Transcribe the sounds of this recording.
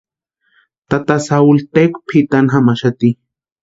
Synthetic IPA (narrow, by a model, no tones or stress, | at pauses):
t̪at̪asault̪ekpʰit̪anxamaʃat̪i